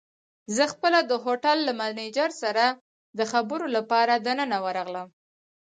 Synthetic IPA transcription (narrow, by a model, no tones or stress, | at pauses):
zəxpəlad̪əɦoʈalːamalned͡ʒaɾsaɾa | d̪əxabəɾolapɑɾad̪anənawəɾɑɣləm